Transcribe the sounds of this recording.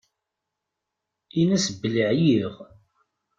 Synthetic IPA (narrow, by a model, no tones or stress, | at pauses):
inæsəbːəliʕjiʁ